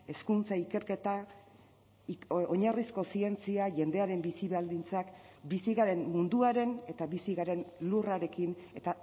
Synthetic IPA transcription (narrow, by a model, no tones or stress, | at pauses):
e̞skunt͡saike̞ɾke̞t̪a | oɲarisko̞sie̞nt͡siaʝe̞nd̪e̞aɾe̞mbisiβald̪int͡sakbisiɣaɾe̞mmund̪uaɾe̞ne̞t̪aβisiɣaɾe̞nluraɾe̞kine̞t̪a